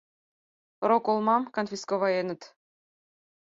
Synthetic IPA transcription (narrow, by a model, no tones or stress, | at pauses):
ɾokolˠmɑmkonfʲiskoβɑjenə̆t̪